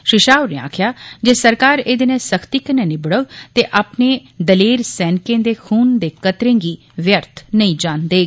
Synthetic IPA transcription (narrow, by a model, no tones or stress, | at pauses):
ʃɪʃaːʋneːa̰ːkʰjaːd͡ʒeːsəɾkaːɾeːd̪eːnẽːsəkʰt̪iːkənɛːnɪbəɽət̪eːʔaːpneːd̪əleːɾsɛːnkẽːd̪eːkʰuːnd̪eːkət̪ɾẽːŋɡiː | ʋjəɾt̪ʰnəĩːd͡ʒaːnd̪eː